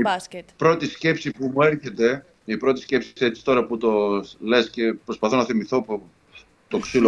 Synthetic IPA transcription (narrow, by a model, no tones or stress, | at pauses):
ispɾo̞t̪isce̞psipumueɾçe̞t̪e̞ | ipɾo̞t̪i̥sce̞psi̥set͡si̥t̪o̞ɾɐput̪o̞le̞sce̞pɾospɐθo̞nɐθimiθo̞po | t̪oksilo